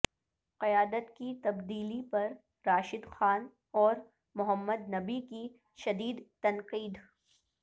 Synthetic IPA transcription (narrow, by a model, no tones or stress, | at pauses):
qɐjaːd̪ət̪kit̪ɐbd̪iːlipɐɾ | ɾaːʃɪd̪xaːn | ɔːɾ | mʊɦəmːəd̪nɐbiki | ʃɐd̪iːd̪t̪ɐnqiːd̪